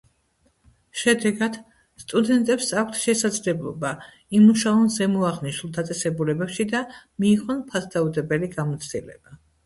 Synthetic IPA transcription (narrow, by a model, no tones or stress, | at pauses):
ʃɛd̪ɛɡad̪̥ | st̪ʼud̪ɛnt̪ʼɛpsak̚ʰʷt̪ʰʃɛsad̪zlɛblˠɔ̰ba | imuʃaɔnzɛmɔaʁniʃulˠd̪at̪sʼɛsɛbulɛbɛpʃid̪amiːʁɔnpʰasd̪aud̪ɛbɛliɡamɔt̪sʰd̪ʼḭlɛ̰b̥a